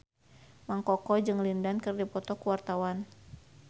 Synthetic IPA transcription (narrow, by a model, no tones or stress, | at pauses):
maŋkɔkɔd͡ʒɨŋlindankɨrdipɔt̪ɔkuwart̪awan